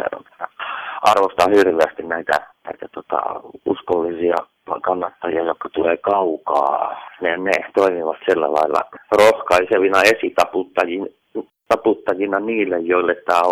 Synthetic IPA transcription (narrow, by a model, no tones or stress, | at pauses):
ḛrɑ̰nt̪ɑ̥nːæɑrʋost̪ɑhirʋeæst̪innæit̪æ̰næit̪æt̪ot̪ɑ̰ṵskolːisiɑ̰ | kɑnːɑt̪ːɑjiɑjokːɑt̪uleːkɑukɑ̰ːnenet̪oimiʋɑt̪silːæ̰lɑ̰ilːɑ̰rohkɑiseʋinɑesit̪ɑput̪ːɑjin | t̪ɑput̪ːɑjinɑniːlːejjoilːet̪ːæː